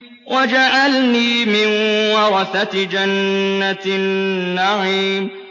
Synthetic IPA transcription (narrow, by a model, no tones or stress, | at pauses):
wʔad͡ʒaʔalniːmɪnwɑɾθat̪d͡ʒanːaː | aʕiːm